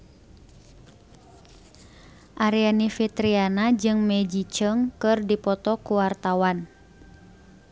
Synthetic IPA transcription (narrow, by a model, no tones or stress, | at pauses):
ʔaɾianifit̪ɾianad͡ʒɨŋmɛd͡ʒit͡ʃəŋkɨrdipɔt̪ɔkuwart̪awan